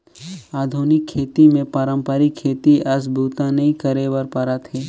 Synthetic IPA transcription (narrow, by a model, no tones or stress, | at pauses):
aːd̪ʱunɪkʰːeːt̪imẽpəɾəmpəɾɪkʰːeːt̪iʔɐs̬bʱuːt̪ãnɐɦĩkəɾewəɾpɐɾat̪ɦeː